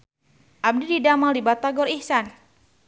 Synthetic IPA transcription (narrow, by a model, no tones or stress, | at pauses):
ʔab̚dididamaldibat̪aɡɔɾihsan